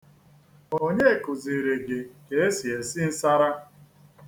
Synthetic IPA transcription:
o˦ɲe˦e˨kʊ˨zi˨ɾe˨ɡe˨ke˨˦e˦si˨e˨sɪ˦n̩˦sa˦ɾa˦

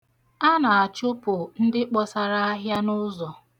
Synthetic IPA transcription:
a˦na˨a˨t͡ʃʊ˦pʊ˨n̩˦dɪ˦k͡pɔ˦sa˨ɾa˦a˦ɦja˦nʊ˦zɔ˨

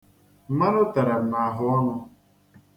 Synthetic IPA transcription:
m̩˦ma˦ɾʊ˦ta˨ɾa˨m̩˨na˨ɦʊ˨ɔ˦nʊ˧

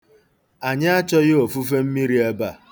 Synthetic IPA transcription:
a˨ɲɪ˦a˦t͡ʃɔ˦ɣɪ˦o˨fu˦fe˦m̩˦mi˦ɾi˦e˦ba˦˨

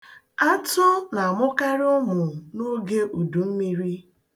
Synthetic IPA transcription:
a˦tʊ˦na˨a˨mʊ˦ka˦ɾɪ˦ʊ˦mʊ˨no˦ɡe˦ʔu˨du˨m̩˦mi˦ɾi˦

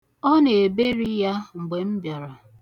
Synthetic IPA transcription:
ɔ˦ne˨e˨be˦ɾi˦ja˦ŋ͡m̩˨ɡ͡be˨m̩˦bjɔ˨ɾɔ˨

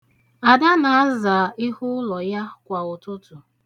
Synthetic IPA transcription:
a˨da˦na˨a˦za˨ɪ˦hʊ˦lɔ˨ja˦kʷa˨ʊ˨tʊ˦tʊ˨

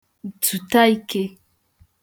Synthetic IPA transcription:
t͡su˨ta˦i˦ke˦

